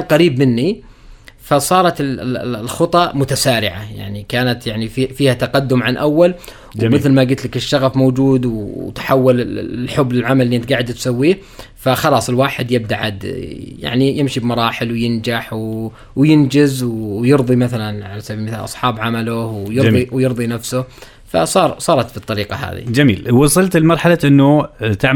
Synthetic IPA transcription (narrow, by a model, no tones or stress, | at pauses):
qɑɾiːbmɪnːi | fasˤɑːɾˤɑt̪ɪllxɨt̪ˤɑmʊt̪asaːɾɪʕaja̰ʕnikaːnat̪jaʕnififiːhat̪aqad̪ːʊmʕanʔawːal | wmɪθlmaɡɪt̪lɪkɪʃːaɣafmowd͡ʒuːd̪wt̪ħawːalɪlħʊbːlɪlʕamalliʔɪnt̪̚ɡaːʕɪd̪t̪sawːiːh | faxɑlɑːsˤɪlwaːħɪd̪jɪb̚d̪aʕa̰d̪ja̰ʕnijɪmʃibmɑɾˤɑːħɪlwjɪnd͡ʒaħw | wjɪnd͡ʒɪzwjɨɾðˤimaθalanʕalasabibmɪθaːlʔɑ̰sˤħɑːbʕamalʊhwjɨɾiwjɨɾðˤinafsʊ | fa̰sˤɑːɾˤsˤɑːɾˤɑt̪fit̪ˤːɑɾiːqɑɦa̰ːðḭd͡ʒamḭːlwɑsˤɨlt̪ɪlmɑɾˤħalaʔɪnːʊt̪aʕ